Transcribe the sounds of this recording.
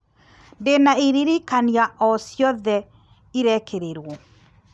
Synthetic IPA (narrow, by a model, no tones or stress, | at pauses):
ndenaiɾiɾikaniaʔɔsjɔðɛ | iɾɛkʰeɾeɾwɔ